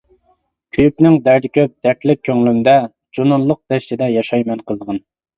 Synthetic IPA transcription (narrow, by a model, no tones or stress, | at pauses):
kʲʰyjypnɪŋd̪æɾd̪ɪkʲʰøp̚d̪ɛɾt̪lɪk̚ʲʰːøŋlymd̪ɛ | d͡ʒonʊnlˠːʊq̚d̪̥ɛʃt͡ʃɪd̪ɛjɑʃɑjmɛnqʰəzʁɑn